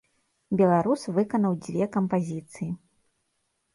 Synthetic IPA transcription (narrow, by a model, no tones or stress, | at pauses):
bʲɛlˠaɾusvɨkɐnɐwd͡zʲvʲɛkɐmpazʲit̪sɨji